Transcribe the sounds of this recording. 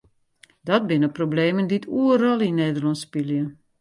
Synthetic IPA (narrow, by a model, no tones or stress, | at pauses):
dɔt̚bɪnəprobleːmənditʰuəɾɔlˠinːeːdəlɔnspiljə